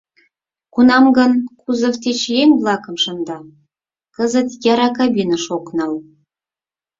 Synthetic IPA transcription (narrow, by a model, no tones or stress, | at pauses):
kunɑmɡɤ̆nkʰuzɤ̆vt̪ʲet͡ɕjeŋʲblˠɑkɤ̆mʃɤ̆nd̪ɑ | kə̆zə̆t̪jɑɾɑkɑbʲinəʃoknɑlˠ